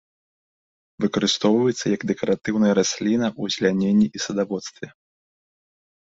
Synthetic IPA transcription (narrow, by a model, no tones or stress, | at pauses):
vɨkɐɾɨst̪ɔwvɐjɛt̪sːɐjɐɡd̪ɛkɐɾat̪ɨwnɐjɐɾasʲlʲinɐʔuzʲlʲanʲenʲːiʔisɐd̪avɔt̪st̪vʲɛ